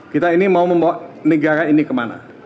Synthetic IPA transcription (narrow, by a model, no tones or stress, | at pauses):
kit̪ainimauməmbawaʔnəɡaɾainikəmana̰